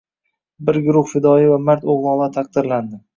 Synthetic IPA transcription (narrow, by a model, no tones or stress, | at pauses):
bɪɾɡʊɾʊhfɪd̪ɒivamaɾt̪oʁlˠɒlˠat̪ʰaq̚d̪ɪɾland̪ɪ